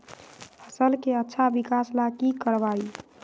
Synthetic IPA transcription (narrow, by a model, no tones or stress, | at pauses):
pʰəsəlkeətːʃʰabikaslakikəɾbai